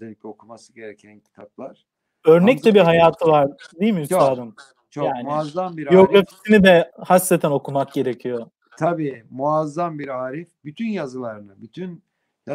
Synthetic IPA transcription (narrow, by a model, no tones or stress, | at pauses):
elʲicʲɛokʰumasɯɟeɾecʰæncʲʰi̥t̪ʰap̚lˠaɾ̥ | ø̞ɾnɛc̚t͡ʃɛbiɾɦajaːt̪ʰɯvaɾd̪ijilmiyst̪aːd̪ɯm | t͡ʃʰjaːnmiazambiɾio̞ɡɾafi̥sinid̪ɛhast̪ːet̪ʰæno̞kʰumak̚ɟe̞ɾecʰijo̞ | t̪ʰabiːmuazːambiɾaːɾifbyt̪ʰynjazɯlˠaɾɯnɯbyt̪ʰyn | ja